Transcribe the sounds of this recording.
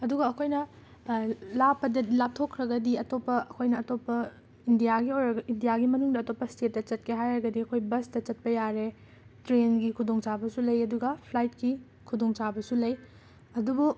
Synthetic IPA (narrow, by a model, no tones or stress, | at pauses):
ɐduɡɐːkʰojnɐ | lapːɐdɐlap̚tʰokʰːɾɐɡɐdiɐtopːɐʔɐkʰojnɐːtopːɐ | indijaɡiojɾɐɡɐʔindijaɡimɐnuŋdɐːtopːɐstet̚ːɐt͡ʃɐtkʰeɦajɾɐɡɐdiɐkʰojbɐstɐt͡ʃɐt̚pɐjaɾe | tɾenɡikʰudoŋt͡ʃabɐsulɐjɐduɡɐpʰlajt̚ki | kʰudoŋt͡ʃabɐsulɐj | ɐdubu